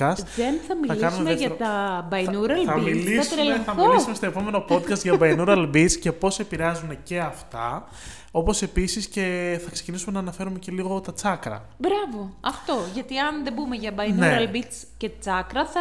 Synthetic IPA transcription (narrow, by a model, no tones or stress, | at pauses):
ɐst̪ðenθɐmiɐkiɐnsuumemeɐt̪ɐbɐjnuɾɐlɐmiliɐsɾelθɐmioisumest̪oe̞po̞me̞no̞po̞t̪kɐst̪ʝɐbɐjnuɾɐlbit͡sce̞po̞se̞piɾeɐzunece̞ɐft̪ɐ | o̞po̞se̞pisisce̞θɐksecinisume̞nɐːnɐfe̞ɾume̞ce̞liɣo̞t̪ɐt͡sɐkɾɐ̰ | bɾɐvo̞ɐft̪o̞ʝɐt̪iɐnðebumeʝɐbɐjneɾɐlbit͡s | cet̪ɐt͡sɐkɾɐθɐ